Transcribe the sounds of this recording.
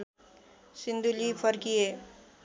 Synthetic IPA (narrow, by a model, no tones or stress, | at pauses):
sind̪ʱulipʰəɾkije